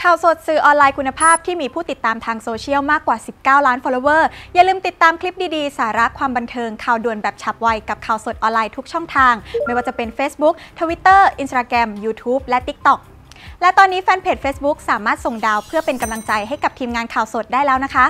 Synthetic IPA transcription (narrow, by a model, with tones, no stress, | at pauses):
kʰaː˨˩wso˨˩t̪̚sɯː˨˩ʔɔː˧nlaː˧jkʰu˧nːa˧pʰaː˥˩p̚t̪ʰiː˥˩miː˧pʰuː˥˩t̪i˨˩t̪ːaː˧mt̪ʰaː˧ŋsoː˧t͡ɕʰi˦˥əwmaː˥˩kːwaː˨˩si˨˩p̚kaː˥˩wlaː˦˥nfɔ˧loː˧wɤː˥˩ja˨˩lɯː˧mt̪i˨˩t̪ːaː˧mkʰli˦˥p̚diː˧diː˧saː˩˦ɾa˦˥kʰwaː˧mba˧nt̪ʰɤː˧ŋkʰaː˨˩wdu˨˩ənbɛː˨˩p̚t͡ɕʰa˨˩p̚wa˧jka˨˩p̚kʰaː˨˩wso˨˩t̪̚ʔɔː˧nlaː˧jt̪ʰu˦˥k̚t͡ɕʰɔ˥˩ŋt̪ʰaː˧ŋma˥˩jwaː˥˩t͡ɕa˨˩pe˧nfeː˦˥sbu˦˥k̚t̪ʰu˧wi˦˥t̪ːɤː˥˩ʔi˧nsaː˧kɾɛ˧mjuː˧t̪ʰuː˦˥p̚lɛ˦˥t̪i˦˥k̚t̪ɔ˨˩k̚ | lɛ˦˥t̪ɔː˧nːiː˦˥fɛː˧npʰeː˨˩t̪̚feː˦˥sbu˦˥k̚saː˩˦maː˥˩t̪̚so˨˩ŋdaː˧wpʰɯ˥˩ɐpe˧nka˧mla˧ŋt͡ɕa˧jɦa˥˩jka˨˩p̚t̪ʰiː˧mŋaː˧nkʰaː˨˩wso˨˩t̪̚daː˥˩jlɛː˦wna˦˥kʰa˦˥ʔ